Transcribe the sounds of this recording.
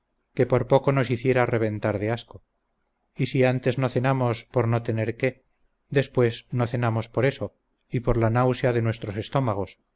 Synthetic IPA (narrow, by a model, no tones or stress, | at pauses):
ke̞po̞ɾpo̞ko̞no̞siθje̞ɾare̞β̞ẽ̞nt̪aɾðeasko | isiant̪e̞zno̞θe̞namo̞spo̞ɾno̞t̪e̞ne̞ɾke̞ | d̪e̞spwe̞znoθe̞namo̞spo̞ɾe̞so̞ | ipo̞ɾlanawsjaðe̞nwe̞st̪ɾo̞se̞st̪o̞maɣ̞o̞s